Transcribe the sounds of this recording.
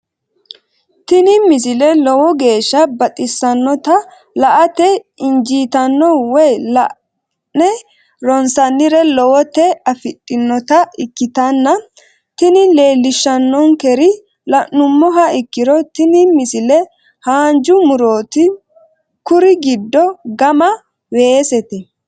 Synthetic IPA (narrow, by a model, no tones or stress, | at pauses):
t̪ɪnɪmɪs̬ɪlɛlɔwɔɡe̞ːʃːɐbɐt̪ʼɪsːɐnːɔt̪ɐ | lɐʔɐt̪ɛɪnd͡ʒiːt̪ɐnːɔwɛjlɐʔ | nɛ | ɾɔnsɐnːɪɾɛlɔwɔt̪ɛɐfɪtʼːɪnːɔt̪ɐɪkːɪt̪ɐnːɐ | t̪ɪnɪle̞ːlːɪʃːɐnːɔŋkɛɾɪ | lɐʔːʊmːɔɦɐɪkːɪɾɔt̪ɪnɪmɪsɪlɛ | haːnd͡ʒʊmʊɾoːt̪ɪ | kʊɾɪɡɪd̪ːɔɡɐmɐ | weːsɛt̪ɛ